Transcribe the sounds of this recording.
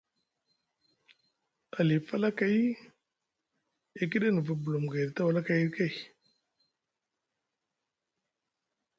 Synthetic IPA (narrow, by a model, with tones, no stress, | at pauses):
a˨li˨fa˦la˦ka˨ji˦ | e˨k̬i˦ɗa˦nə˨va˨bu˨lu˨mɡa˨ɾta˦wa˨la˦ka˨ji˦ɾka˦j